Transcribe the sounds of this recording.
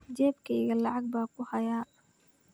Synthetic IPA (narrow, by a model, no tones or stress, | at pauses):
d͡ʒɛːbkʰɛjɣɐlɑʕɑɡ̚baːkʰʊhɐjaː